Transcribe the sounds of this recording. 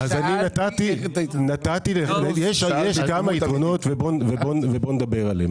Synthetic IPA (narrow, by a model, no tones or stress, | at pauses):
azaninat̪at̪inat̪at̪ilenejeʃjeʃkamait̪ʁono̞t̪vebonvebonvebo̞ned̪abe̞ʁalem